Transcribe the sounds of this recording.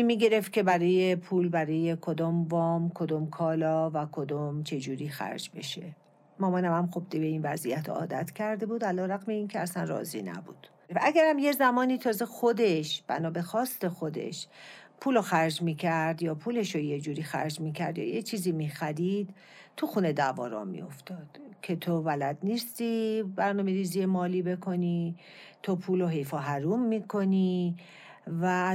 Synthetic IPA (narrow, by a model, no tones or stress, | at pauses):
miːɡe̞ɾe̞ft̪̚cʰʲebæɾɒːje̞pʰuːlbæɾɒːjekʰod̪ɔːmvɒːmkʰod̪ɔːmkʰɒːlɒːvækʰod̪ɔmt͡ʃʰe̞d͡ʒuːɾiːxæ̰ɾd͡ʒbe̞̰ʃe̞̰ | mɒːmɒnæmæmxob̚d̪ibe̞iːnvæzijæt̪ʰɒ̰ːd̪æt̪ʰcʲʰæɾd̪e̞buːd̪ælɒːɾæɣmeiːncʰeæsænrɒ̰ːzḭnæ̰bṵːd̪̥ | væʔæɡæɾæmjezæmɒːniːt̪ʰɒːzexod̪e̞ʃb̥æ̰nɒːbexɒːst̪e̞xod̪e̞̰ʃpʰuːloxæɾd͡ʒmiːcʰæɾd̪jɒːpʰuːle̞ʃojed͡ʒuːɾiːxæ̰ɾd͡ʒmiːcʰæɾd̪jɒ̰ːjet͡ʃʰiːziːmiːxæɾid̪̥ | t̪ʰuxune̞d̪æːvɒ̰ːɾɒ̰ːmḭo̞̰ft̪ʰɒːd̪̥cʰe̞t̪ʰovælæd̪niːst̪ibæɾnɒːme̞ɾiːziːjemɒːliːbe̞kʰo̞ni | t̪ʰopʰuːloɦe̞jfɒːɦæɾuːmːiːkʰo̞niː | væ